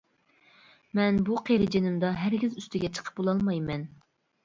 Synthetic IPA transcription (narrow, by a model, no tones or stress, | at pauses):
mɛnbuqʰeɾɪd͡ʒenɪmd̪ɑɦæɾɡʲizyst̪ʰɪɡʲɛt͡ʃʰə̥qʰə̥p̚bolˠɑlˠmɑjmɛn